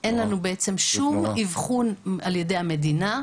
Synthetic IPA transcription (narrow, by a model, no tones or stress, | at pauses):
ʔe̞nlanubeet͡se̞mʃumivχunalje̞de̞jame̞dina